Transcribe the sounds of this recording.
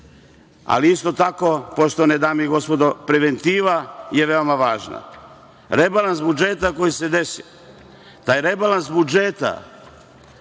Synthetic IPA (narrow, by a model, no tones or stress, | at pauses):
a̰liist̪o̞t̪ako̞po̞ʃt̪o̞ned̪aːmiɡo̞spo̞d̪opɾeʋe̞nt̪iːʋaje̞ʋe̞o̞maʋaːʒna̰ | ɾebalansbud͡ʒeːt̪ako̞jise̞d̪e̞si | t̪aːjɾebalansbud͡ʒeːt̪a̰